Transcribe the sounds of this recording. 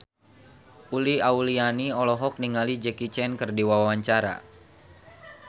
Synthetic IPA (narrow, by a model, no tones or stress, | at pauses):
ʔuliaulianiɔlɔɦɔk̚niŋalid͡ʒɛkit͡ʃɛnkərdiwawawaɲt͡ʃaɾa̰